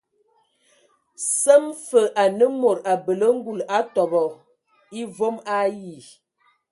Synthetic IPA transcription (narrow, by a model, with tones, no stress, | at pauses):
sə˦mfə˨ʔa˨nə˦mo˨ɾa˨bə˨lə˦ŋ̩˦ɡu˨la˦tɔ˨bɔ˨ | i˦vo˦ma˦ji˨